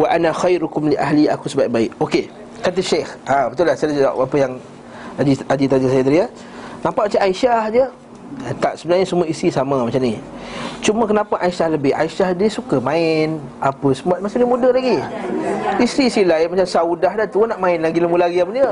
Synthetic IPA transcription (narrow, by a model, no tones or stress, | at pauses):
waʔanaxajɾukʊmliʔa̰ɦliakusəbaiʔ̚baɪkoke | kat̪̬əʃexãbət̪ʊlahsala̰apəjaŋ | ad͡ʒiad͡ʒit̪ad͡ʒəsajad̪əɾia | nãmpaʔmat͡ʃaaiʃahdiə | t̪aʔsəbənarɲəsumuaisɾisamãmat͡ʃamnit͡ʃumə̃kənãpaʔaʃahləbɪha̰iʃahdiəsukamãɪn | apəsəmuat̪̚mat͡ʃadimũdəhlaɡi | isɾiːsilaɪmat͡ʃamsaudaɦdat̪uanaʔmãɪnlaɡiləmulaɡiabəndiə